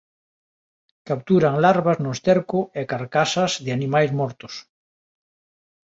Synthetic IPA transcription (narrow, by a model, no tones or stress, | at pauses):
kap̚t̪uɾaŋlaɾβaznost̪eɾkʊekaɾkasazðɪanimajzmɔɾt̪ʊ̥s